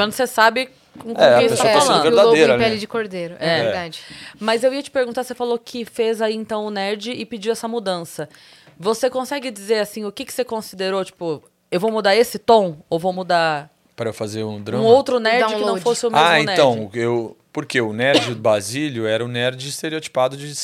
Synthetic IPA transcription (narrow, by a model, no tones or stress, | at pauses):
m̃nd̪ʊsesabɪ | kõkeɛɐẽsest̪aẽafalsɐ̃ɡeɾɾd̪ad̪eɾɐpɛlid͡ʒɪkoɾd̪ejɾʊɛɛɛeɾɛd̪ad͡ʒɪmɐzewiɐt͡ʃɪ̥peɾɡũt̪asefalokʰɪfezaiẽnt̪ɐ̃w̃ʊnɛɾd͡ʒɪɪpɪd͡ʒiwɛsɐmud̪ɐ̃sɐvosekõsɛɡɪd͡ʒizeɾasĩʊkɪkɪ̥sekõsid̪eɾot͡ʃi̥pʊ | ewvowmud̪aɾesɪt̪õowvowmud̪aɾ | pɾɐewfazeɾũd̪ɾɐ̃owt̪ɾʊnɛɾd͡ʒɪ̃kɪnɐ̃fosɪʊmeaẽntɛɾɐ̃w̃ɪewpoɾkeʊnɛɾd͡ʒɪbɾaziʎʊɛɾɐʊnɛɾd͡ʒɪist̪eɾiot͡ʃi̥pad̪ʊd͡ʒɪ